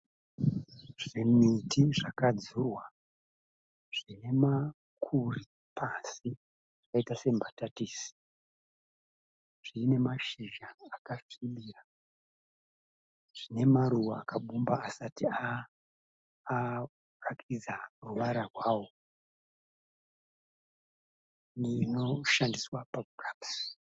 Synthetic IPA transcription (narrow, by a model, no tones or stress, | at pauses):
ʐ̥imitʰiʐakad͡zurwa | ʐ̥ine̞ma | kʰuri | pʰasi | ʐakaitase̞mbʱatatiːsi̥ | ʐ̥iːne̞maʃiʒaːkafiɓira | ʐ̥ine̞maɾuwa̰ːkʰaɓumbaːsatia | rakʰid͡zaruʋaɾarwaːwo̞ | ninoʃandiswapakuraps